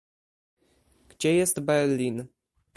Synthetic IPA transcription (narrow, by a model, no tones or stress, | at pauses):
ɡ̥d͡ʑɛjɛst̪bɛɾlʲin